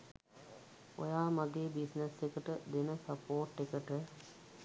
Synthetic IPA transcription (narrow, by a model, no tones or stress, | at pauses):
o̰jaːmaɡeːbisnesekəʈəd̪enəsəpoːʈːekəʈə